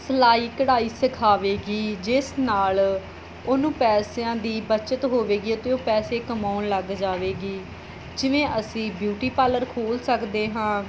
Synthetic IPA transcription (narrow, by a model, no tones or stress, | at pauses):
səlaːiːkəɽaːiːsəkʰaːʋeːɡiːd͡ʒɪsnaːl | oːnũːpɛːsejãːd̪iːbət͡ʃət̪ɦoːʋeːɡiːot̪eõːpɛːseːkəmaːʊnləɡd͡ʒaːʋeːɡiː | d͡ʒɪʋẽːʔəsĩːbjuːʈiːpaːləɾkʰoːlsəkd̪eːɦãː